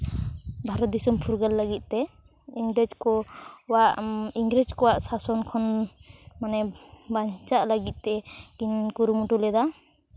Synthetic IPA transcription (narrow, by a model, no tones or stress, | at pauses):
bʱaɾɔt̪̚d̪isumpʰuɾɡəlːəɡit̪̚ˀt̪ɛ | iŋɡɾɛd͡ʒkɔwaʔiŋɡɾɛd͡ʒkɔwaʔsasɔnkʰɔn | manɛbaɲt͡ʃaʔləɡit̪̚ˀt̪ɛkinkuɾumuʈulɛd̪a